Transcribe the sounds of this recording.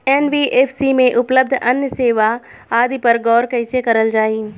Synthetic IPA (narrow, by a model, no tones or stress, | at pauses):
eːnʋiːʔeːfʰsimẽʔʊpləb̚d̪ʱɐnjəseːʋa | aːd̪ipɐɾɡɔːɾkɐɪsekɐɾəld͡ʒaːiː